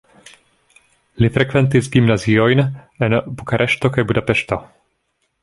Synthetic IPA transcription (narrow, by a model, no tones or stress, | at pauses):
lifɾɛkvɛnt̪izɡimnaziɔjnɛnbukaɾʔɛʃt̪ɔkajbud̪apɛʃt̪ɔ